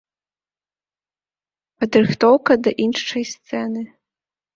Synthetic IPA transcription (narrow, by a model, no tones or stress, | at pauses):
pɐd̪rɨxt̪ɔwkɐd̪ɐʔinʂt͡ʂɐjst̪sɛnɨ